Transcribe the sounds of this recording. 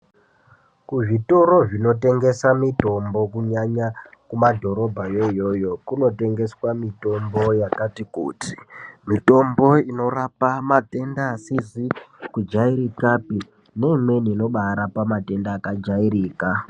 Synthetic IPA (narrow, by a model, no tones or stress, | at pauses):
kuʐitoɾo̞ʐino̞te̞ŋɡe̞samito̞mbo̞kuɲaɲakumadʱo̞ɾo̞bʱajojo̞jo̞kuno̞te̞ŋɡe̞swamito̞mbo̞jakatikṵːti̥mito̞mbo̞ino̞rapamate̞ndasizikud͡ʒaiɾikapi | ne̞imwe̞niːno̞ɓaɾapamate̞ndaːkad͡ʒaiɾiːka